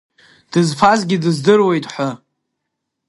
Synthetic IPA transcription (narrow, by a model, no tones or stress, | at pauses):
d̥ɨzfʰazɡʲɪdɨzdɨrwe̞jtʼħʷʊ